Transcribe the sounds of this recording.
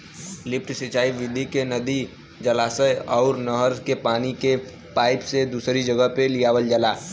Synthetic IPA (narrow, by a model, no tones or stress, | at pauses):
lɪpʰʈsɪt͡ʃaːiʋɪd̪ʱikenəd̪i | d͡ʒəlaːsəjɔːɾnəɦəɾkepaːnike | paːɪpsed̪uːsɾid͡ʒəɡəɦpelijaːʋəld͡ʒəlaː